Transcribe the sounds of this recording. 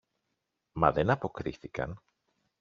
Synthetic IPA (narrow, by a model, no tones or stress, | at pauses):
mɐ̰ðenɐpo̞kɾḭθikɐ̰n